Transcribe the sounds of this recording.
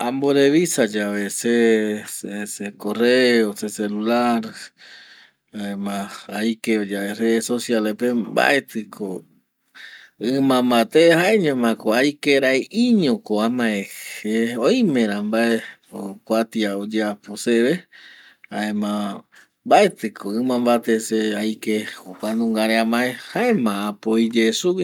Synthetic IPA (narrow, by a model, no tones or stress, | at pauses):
ãmboɾeβisad͡ʒaβesesesekoreoseselulaɾ | aemãajkeod͡ʒaereðesosjalepemba̰ʔet̪ɨkʰo | ɨmãmbat̪ehaeɲõmãkoajkeɾaeiɲõkoamãeeojĩmẽɾ̃ãmbaeokʷat̪iaod͡ʒeaposeβe | aemã | mbae̞t̪ɨkʰoɨmãmbat̪eseajkehokʷanũŋɡaɾeamãehaẽmãːpoid͡ʒesu